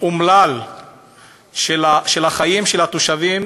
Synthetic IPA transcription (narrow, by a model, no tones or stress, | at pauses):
umlal | ʃelaʃelaχajimʃelat̪oʃavim